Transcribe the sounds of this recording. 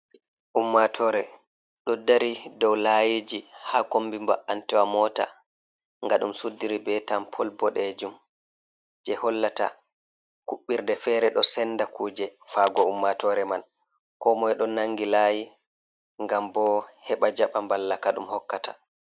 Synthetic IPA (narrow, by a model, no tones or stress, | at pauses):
ʔumːatʰɔɾɛ | ɗɔdaɾidɔwlajid͡ʒihaːkombimba̰ʔantɛwamɔːta̰ | ŋɡaɗumsudːiɾibɛtampʰɔlbɔɗɛd͡ʒum | d͡ʒɛhɔlːata̰ | kuɓːiɾdɛfɛːɾɛɗɔsɛnːdakuːd͡ʒɛfaɡɔumːatɔɾɛman | kɔmɔjɗɔnaŋɡilaːji | ŋɡambɔhɛɓad͡ʒaɓambalːakaɗṵmhɔkːata